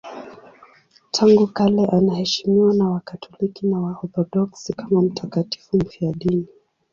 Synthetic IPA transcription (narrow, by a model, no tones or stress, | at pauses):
tʰaŋɡukalɛʔanahɛʃimiwanawakatʰɔlikinawahɔtɔɗɔksikamam̩tʰakati̥fum̩fiaɗini